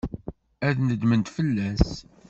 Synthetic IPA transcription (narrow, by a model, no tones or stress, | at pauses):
æðnəd̪mənt̪fəlːæs